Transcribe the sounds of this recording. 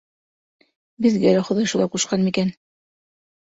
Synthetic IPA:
bɘ̆ðɡælæχŏðɑjʃulˠɑquʃqɑnmikæn

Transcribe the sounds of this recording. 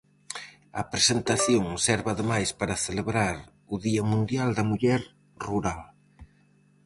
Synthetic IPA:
ɐ̰pɾesent̪aθjoŋsɛɾβaðemajspaɾɐθeleβɾaɾ | ʊðiɐmũnd̪jald̪ɐmuʎɛɾ | ruɾal

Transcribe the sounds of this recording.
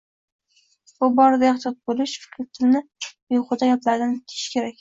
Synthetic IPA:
bʊbɒɾd̪aɑχt̪ɒt̪̚bolɪʃfɪ̥kʲʰɾt̪ʰɪlnɪ | jʊqʊd̪aɡʲaplaɾd̪ankʲʰe̥ɪʃkʲʰe̞ɾak̚ʲ

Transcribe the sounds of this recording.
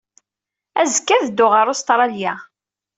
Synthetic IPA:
æzəkːæðəd̪ːʊʁəɾˤʊst̪ɾˤɑljæ

